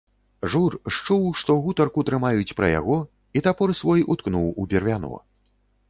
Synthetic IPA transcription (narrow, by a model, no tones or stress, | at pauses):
ʐurʂt͡ʂuwʂt̪ɔɣut̪ɐrkut̪ɾɨmajut͡sʲpɾɐ̰ja̰ɣɔ | it̪apɔɾsvɔjut̪knuwubʲɛrvʲanɔ̰